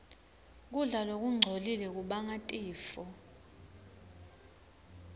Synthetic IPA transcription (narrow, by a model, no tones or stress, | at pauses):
k̬ʼuɮalok̬ʼuŋ͡ǀʱolilɛk̬ʼuɓaŋatʼiːfɔ